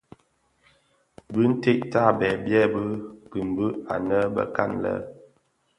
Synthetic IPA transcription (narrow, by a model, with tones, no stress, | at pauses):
bɨ˦n̩˦te˦ʔta˦˨bɛ˨bjɛ˦˨bə˦pi˨m˨bə˦a̰˨nə˦bə̰˦ka˦˨nlə̰˦